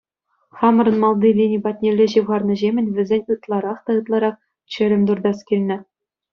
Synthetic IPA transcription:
χɑmɤ̆ɾɤ̆nmɑlˠd̪ilʲinʲibɑt̚ʲnʲelʲːeʑɯʋʁɑrnɤ̆ʑemʲɘ̆nʲʋʲɘ̆zʲenʲɯt̪lˠɑɾɑχt̪ɑɯt̪lˠɑɾɑχ | t͡ɕɘ̆ɾʲɘ̆mʲd̪urd̪ɑskʲilʲnʲɘ̆

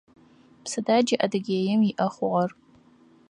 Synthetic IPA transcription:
pʰsɨdad͡ʒɪʔɐdɨɡʲeːjɪmiʔɐχʷʊʁɐr

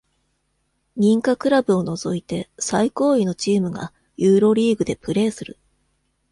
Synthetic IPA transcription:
ɲ̟ĩŋkakɯ̟ɾabɯ̟o̞no̞zo̞it̪e̞saiko̞ːino̞t͡ɕiːmɯ̟ɡa̰ | jɯːɾo̞ɾʲiːɡɯ̟d̪e̞pɯ̟ɾe̞ːsɨɾɯ̟̰

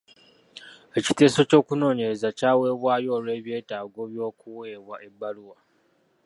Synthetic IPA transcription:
e̞ci̥te̞ːso̞co̞ːkuno̞ːɲe̞ɾezacaːwe̞ːβwaːjo̞ːlwe̞ːβje̞ːtaːɡo̞βjo̞ːkuwe̞ːβwaʔe̞bːaluwa

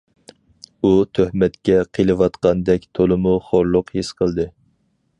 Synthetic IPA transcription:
ut̪ʰøhmɛt̪kʲɛqʰelˠɨwɑt̪qɑnd̪ɛkʲt̪ʰolˠɨmʊχoɾlˠʊqhisqʰəlˠd̪ɨ

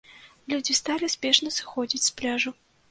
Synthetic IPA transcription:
lʲud͡zʲist̪alʲisʲpʲɛʂnɐsɨ̥xɔd͡zʲit͡sʲsplʲaʐʊ

